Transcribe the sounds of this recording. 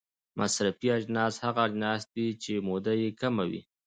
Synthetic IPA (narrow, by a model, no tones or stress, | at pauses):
mʔasɾafiad͡ʒnɑshaɣaːd͡ʒnɑsd̪it͡ʃemod̪ajekamawḭ